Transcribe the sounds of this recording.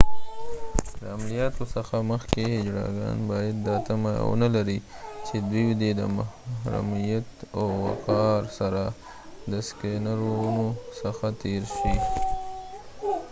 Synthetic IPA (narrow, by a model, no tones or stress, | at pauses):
d̪əamlijɑt̪osəxaməxkeɪd͡ʒɾɑ̰ɡɑ̰nbɑjad̪ːɑt̪ama̰wə̰nalaɾit͡ʃed̪wiwd̪ed̪ə̰mahhɾa̰mijat̪awwa̰qɑɾsaɾa | d̪əskenaɾounosəxat̪eɾʃi